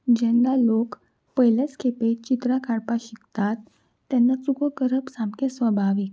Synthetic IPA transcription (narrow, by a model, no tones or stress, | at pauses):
d͡ʑɛŋɡalok | pəjləskʰepet͡ɕit̪ɾakʰaɽpaɕikt̪at̪ː | jɛnːat͡sukokəɾəpsamkẽsʋəbʱaʋik̚